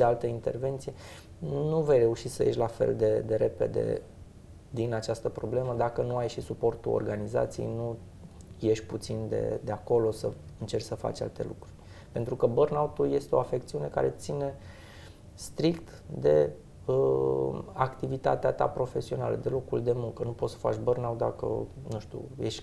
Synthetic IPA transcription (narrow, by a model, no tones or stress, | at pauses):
ʃealt̪əint̪e̞̰rve̞nt̪sije | nuvejre̞uʃit̪səjeʃʲlafe̞̰ld̪e̞d̪e̞ɾe̞pe̞̰d̪e̞̰ | d̪inat͡ʃast̪əpɾo̞ble̞məd̪akənuajʃisupo̞rt̪ṵo̰rɡaniza̰t̪sijḛjnu | je̞ʃʲput̪sind̪e̞̰d̪e̞ako̞lo̞səɨnt͡ʃe̞rʲsəfa̰t͡ʃa̰lt̪e̞̰lukɾurʲ | pe̞nt̪ɾukəbərnaut̪ulje̞st̪eoafe̞k̚t̪siune̞ka̰ɾe̞t̪sine̞ | st̪ɾikt̪ | d̪e̞ | ə | akt̪ivit̪a̰t̪eat̪a̰pɾo̞fe̞sio̞na̰lə̰d̪e̞lo̞kuld̪e̞muŋkənupot̪sə̥fat͡ʃbərnawt̪̚d̪akə̰nuʃt̪ʲṵjeʃ